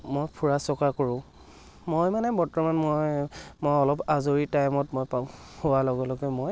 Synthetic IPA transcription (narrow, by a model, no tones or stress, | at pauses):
mojpʰuɹasɔkakoɹʊ̃ | mojmanɛbɔtɔmanmojmojɔlɔpazoɹitajmɔtmojpa | howalɔɡɔlɔɡɛmoj